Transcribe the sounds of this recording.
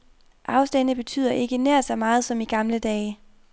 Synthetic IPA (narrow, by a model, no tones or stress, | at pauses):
ʔɑ̈ʊsd̥ænəb̥e̝t͡sʰy̰ːð̰ˠɐʔe̝ɡ̥ənæɐ̰d̥sɒ̽mɑ̈ːð̩ˠsɒ̽miɡ̥ɑ̈mləd̥ɛː